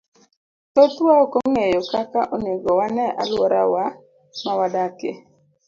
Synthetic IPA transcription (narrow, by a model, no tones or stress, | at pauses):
t̪ot̪waokoŋejokakaʔonɪɡɔwanɛʔa̰lwɔɾa̰wa | mawadakɪ̰